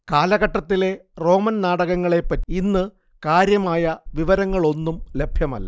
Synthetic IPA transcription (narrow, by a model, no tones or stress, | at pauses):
kaːlɐɣɐʈːɐt̪ːile̞ro̞ːmɐnnaːɽɐɣɐŋːɐɭe̞pːɐtːiinːɨ | kaːɾjɐmaːjɐʋiʋɐɾɐŋːɐɭo̞nːumle̞bʱjɐmɐ̰lːɐ̰